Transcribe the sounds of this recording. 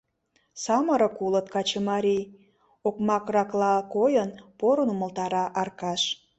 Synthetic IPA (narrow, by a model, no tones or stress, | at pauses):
sɑməɾə̆kulət̪kɑt͡ɕəmɑɾʲij | okmɑkrɑklɑkojənpoɾənumə̆lt̪ɑɾɑʔɑrkɑʃ